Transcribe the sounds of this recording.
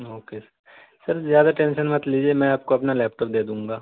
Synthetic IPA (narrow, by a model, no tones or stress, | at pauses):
oːkesɐɾ | sɐɾzjaːd̪aʈẽːnʃənmɐt̪liːd͡ʒiemɛ̃aːp̚koɐpnalɛːp̚ʈoːp̚d̪eːd̪ũːŋ̆ɡaː